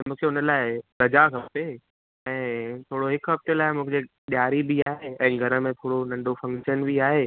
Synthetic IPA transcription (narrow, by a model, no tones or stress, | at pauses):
mũːkʰeʊnəlaːɪɡ̪ɐd͡ʑakʰɐpe | ɛ̃ːt̪ʰoːɽoɦɪkɦɐbt̪elaːɪmũːkd͡ʑe | ɓjaːɾibiaːɦeɛ̃ːɡʱɐɾə̆mẽt̪ʰoːɽonɐ̃ɳɖofɐ̃ŋkʃənbʱiaːɦeː